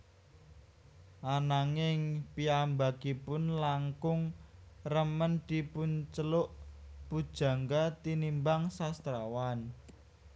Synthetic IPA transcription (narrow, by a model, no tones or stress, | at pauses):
ʔanaŋɪŋpiambakipʊnlaŋkʊŋrəmənd̪̥i̤pʊnt͡ʃəlʊʔpud̥ʒ̥ä̤ŋɡat̪inimbaŋsast̪ɾawan